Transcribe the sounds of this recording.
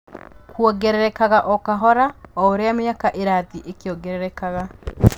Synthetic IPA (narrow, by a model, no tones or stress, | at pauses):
kwɔɡɛɾɛɾɛkaɣaʔɔkaɦɔɾaɔoɾeameakaʔeɾaðiʔekeɔɡɛɾɛɾɛkaɣa